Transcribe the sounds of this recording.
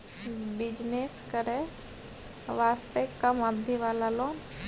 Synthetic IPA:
bɪd͡ʒneskəɾe | ʋaːst̪ekəməbd̪ʱiʋaːlaloːn

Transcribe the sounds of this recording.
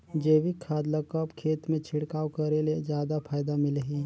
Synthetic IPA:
d͡ʒeːwikʰːaːd̪lakəpkʰeːt̪mẽt͡ʃʰɪɽkaːwkəɾeled͡ʒjaːd̪apʰaːjd̪amɪleɦiː

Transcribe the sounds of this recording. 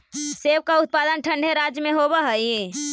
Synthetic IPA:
seʋkaut̪̚pad̪ənʈʰə̃ɳɖʱeɾad͡ʒjmeɦobəɦəie

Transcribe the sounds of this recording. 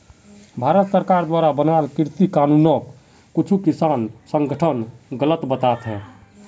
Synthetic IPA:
bʱaɾət̪səɾkaɾd̪waɾabənalkiɾt̪ikanunəkː | ut͡ʃʰukisansəŋɡəʈʰənɡələt̪bət̪at̪ɦɛ̃

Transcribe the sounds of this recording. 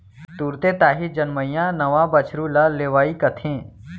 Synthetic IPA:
t̪uːɾt̪et̪aːɦid͡ʒənməjãnɐʋãːbət͡ʃʰɾulaleːʋaːikət̪ʰẽː

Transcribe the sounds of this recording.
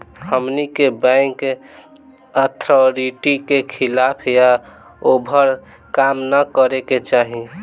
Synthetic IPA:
həmnikebɛ̃ŋk | ət̪ʰɾɔɾiʈikekʰɪlaːpʰja | obʱəɾ | kaːmnəkəɾeket͡ʃaːɦi

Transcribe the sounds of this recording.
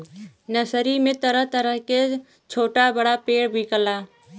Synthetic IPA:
nəsɾimẽt̪əɾəɦt̪əɾəɦke | t͡ʃʰoːʈabəɽapeːɽbʱikəlaː

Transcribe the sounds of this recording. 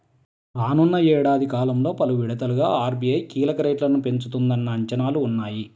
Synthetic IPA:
ɾaːnunːɐɛːɽaːd̪ʱikaːlɐmlo̞ːpɐluʋiɽɐt̪ɐluɡaːaːɾbijɐjkiːlɐkɐɾeːʈlɐnupe̞ɲt͡ʃut̪und̪ɐnːɐːɲt͡ʃɐnaːluːnːaːji

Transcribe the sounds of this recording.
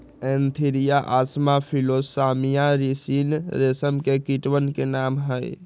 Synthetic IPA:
ɛ̃ːnt̪ʰiɾijaʔaːsmapʰiloːsaːmijaɾisiːnɾesəmkekiʈwənkenaːmɦəj̰

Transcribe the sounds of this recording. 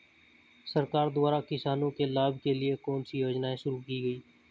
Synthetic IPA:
səɾkaːɾd̪ʊaːɾakɪsaːnõkelaːbkeliekɔːnsijoːd͡ʒnaːẽʃʊɾukiːɡəiː

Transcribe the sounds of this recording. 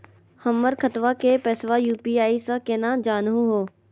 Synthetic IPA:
həmːəɾkʰət̪ʋakepɛːsʋajuːpiːaːisakeːnaːd͡ʒaːnɦũɦoː

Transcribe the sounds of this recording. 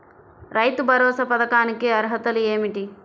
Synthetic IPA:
ɾɐjt̪ubʱɐɾɔːsɐpɐd̪ɐkaːnikiɐɾɦɐt̪ɐlueːmiʈi

